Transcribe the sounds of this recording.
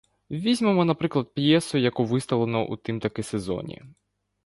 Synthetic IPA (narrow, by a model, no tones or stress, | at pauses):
ʋʲizʲmɔmɔnɐpɾɪklˠɐd̪̚pjɛsʊjɐkuʋɪst̪ɐlˠenɔʔṵt̪ɪmt̪ɐkɪsezɔ̰nʲḭ